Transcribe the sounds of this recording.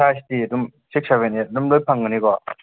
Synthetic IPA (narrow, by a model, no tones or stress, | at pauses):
astidumsik̚seβenet̚dumlojpʰaŋɯnikɔ